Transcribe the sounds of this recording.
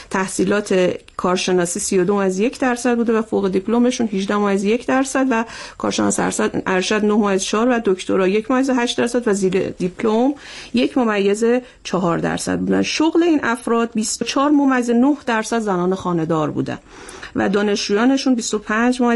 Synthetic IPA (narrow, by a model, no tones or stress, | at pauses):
t̪ʰæhsiːlɒːt̪ʰe̞ | kʰɒːɾʃe̞nɒːsiːsijod̪omæzje̞cʰd̪æɾsæd̪̚buːd̪evæfoɣed̪ipʰlome̞ʃunɦiʒd̪æhmɒːæzje̞cʰd̪æɾsæd̪vækʰɒ̰ːɾʃenɒ̰ːsʔæɾʃæd̪nohmɔæzt͡ʃʰɒɒːɾvæd̪oct̪ʰoɾɒːjecʰmomæjːezeɦæʃt̪d̪æɾsæd̪væziːɾḛd̪ipʰlomjecʰmomæjːe̞ze | t͡ʃʰɒɦɒːɾd̪æ̰ɾsæ̰d̪̚buːd̪æ̰nʃoɣle̞iːnʔæfɾɒːd̪̚bist̪ot͡ʃʰɒːɾmomæzenohd̪æɾsæd̪zænɒːnexɒːne̞d̪ɒːɾbṵːd̪æ̰n | væ̰d̪ɒːne̞ʃd͡ʒuːjɒːne̞ʃunbist̪opʰænd͡ʒmo